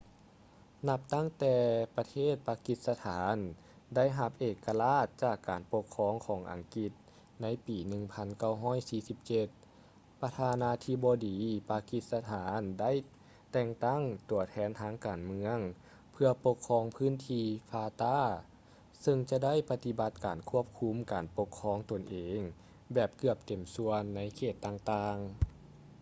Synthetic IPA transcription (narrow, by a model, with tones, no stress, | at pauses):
na˧p̚t̪a˥˩˨ŋt̪ɛː˧pa˧t̪ʰeː˥˩t̪̚paː˧ki˧˥t̪̚sa˧t̪ʰaː˨˦n | da˥˨jɦa˧p̚ʔeː˧˩kːa˧laː˧˥˩t̪̚t͡ɕaː˧˩kːaː˨˩npo˧kʰːɔː˧˥ŋkʰɔː˩˦ŋʔa̰˨˩ŋki˧t̪̚ | na˧˥jpiː˨˩nɯ˧˩ŋpʰa˧˥nka˥˩wɦɔː˥˨jsiː˧˩si˧˦p̚t͡ɕe˧t̪̚ | pa˧t̪ʰaː˧naː˧˥t̪ʰiː˧bɔː˧diː˨˦paː˧ki˧t̪̚sa˧t̪ʰaː˨˦nda˥˨j | t̪ɛː˧˩ŋt̪a˥˩ŋt̪u˨˩ɐt̪ʰɛː˧˥˨nt̪ʰaː˧˥ŋkaː˨˩nmɯ˧˥əŋ | pʰɯ˧ɐpo˧kʰːɔː˧˥ŋpʰɯː˥˨nt̪ʰiː˧faː˧t̪aː˧˥˨ | sɤ˧ŋt͡ɕa˧da˥˨jpa˧t̪i˧ba˧˦t̪̚kaː˨˩nkʰu˦˥˩əp̚kʰu˧˥mkaː˨npo˧kʰːɔː˧˥ŋt̪o˨nʔeː˨ŋ | bɛː˧˩p̚kɯ˧˩əp̚t̪e˨˩msu˧ənːa˧˥jkʰeː˧˩t̪ːaː˧ŋt̪aː˧ŋ